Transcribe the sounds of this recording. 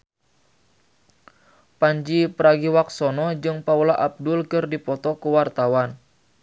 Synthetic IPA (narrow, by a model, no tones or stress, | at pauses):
paɲd͡ʒipəɾaɡiwak̚sɔnɔd͡ʒɨŋpaulaʔap̚dulkɨrdipɔt̪ɔkuwart̪awan